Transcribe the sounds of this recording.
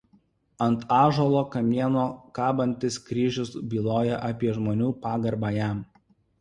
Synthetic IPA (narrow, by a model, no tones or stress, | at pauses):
ɐnt̪ɑːʒoːlˠoːkɐmʲiɛnoːkɑːbɐnʲt̪ʲɪskɾʲiːʒʲʊsbʲiːlˠoːjɛʔɐpʲiɛʒmoːnʲuːpɑːɡɐɾbɑːjæˑm